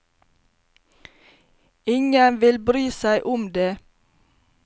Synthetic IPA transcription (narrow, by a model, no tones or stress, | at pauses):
ɪŋənʋɪlbɾyːsæɪʔʊmd̪eː